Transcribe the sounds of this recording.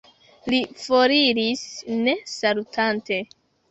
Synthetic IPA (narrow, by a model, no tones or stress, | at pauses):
lifoɾiɾisne̞salutʰante̞